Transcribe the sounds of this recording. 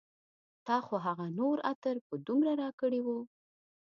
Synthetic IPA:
t̪ɑxoɦaɣanoɾat̪əɾpəd̪umɾaɾɑkəɽiwu

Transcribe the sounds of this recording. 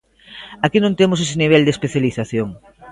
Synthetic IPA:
akinõnt̪emʊses̬eniβ̞ɛld̪espeθjaliθaθjoŋ

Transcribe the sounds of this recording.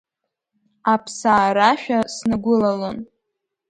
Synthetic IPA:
apʰsaːɾaʃᶣasnɨɡʷʊlalon

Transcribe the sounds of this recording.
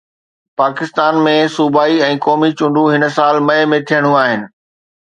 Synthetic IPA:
paːkɪst̪aːnmẽsuːbaːiɛ̃ːkɔːmit͡ɕʊ̃ɳɖũɦɪnə̆saːlmɐemẽt̪ʰijəɽ̃ũaːɦɪnɪ̆

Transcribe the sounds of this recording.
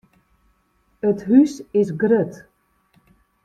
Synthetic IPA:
ətɦysɪsɡrøt

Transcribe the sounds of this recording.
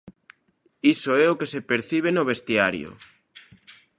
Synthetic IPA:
isoɛokesepeɾθiβ̞enoβest̪iaɾjo̰

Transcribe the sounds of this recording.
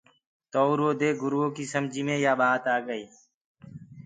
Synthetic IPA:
t̪oːɾoːd̪eːɡʊɾʋoːkiːsəmd͡ʒʱiːmẽːjaːɓaːt̪aːɡəiː

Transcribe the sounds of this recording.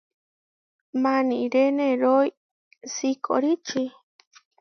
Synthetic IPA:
manĩɾeneɾoj | sikʰo̰ɾit͡ʃi

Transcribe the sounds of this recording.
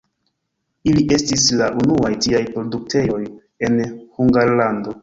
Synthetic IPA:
iliʔe̞stislaʔunuajtiajpɾo̞duk̚te̞jo̞j | e̞nhuŋɡaɾlando̞

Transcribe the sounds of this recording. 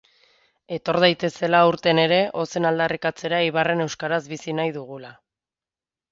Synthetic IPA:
e̞t̪o̞ɾð̞ajt̪e̞se̞lauɾt̪e̞ne̞ɾe̞ʔo̞se̞nald̪arikat͡se̞ɾaeiβ̞are̞ne̞wskaɾazβisinajðuɣ̞ula

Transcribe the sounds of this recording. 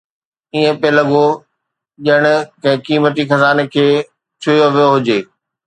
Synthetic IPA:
iːẽpeləɠo | ʄəɽ̃ʊkɐ̃ɪ̃kiːmət̪ixɐzaːnekʰeː | t͡ɕʰʊjoʋijoɦʊd͡ʑeː

